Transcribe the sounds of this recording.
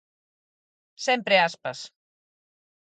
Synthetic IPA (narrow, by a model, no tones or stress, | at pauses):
sɛmpɾeaspəs